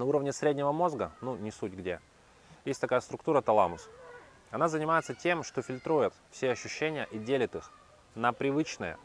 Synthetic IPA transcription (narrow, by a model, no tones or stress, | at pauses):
nɐuɾəvnʲɪsɾʲedʲnʲɪvəmo̞zɡənunʲɪsutʲɡdʲe | jesʲtʲt̪ɐkajəst̪ɾʊkt̪uɾət̪ɐlˠamʊs | ɐnazənʲɪmajɪt̪sətʲe̞mʂt̪o̞fʲɪlʲt̪ɾujɪt̪fsʲeɐɕːʉɕːenʲɪjəʔidʲelʲɪt̪ɨx | nəpɾʲɪvɨt͡ɕnəjə̰